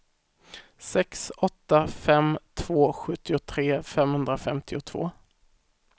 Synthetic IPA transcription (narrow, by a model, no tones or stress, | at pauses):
sɛksɔt̪ːafɛmt̪ʰv̥oːɧɵt̪ːɪʊt̪ʰɾeːfɛmhɵnd̪ɾafɛmt̪ʰɪʊt̪ʰv̥o̰ː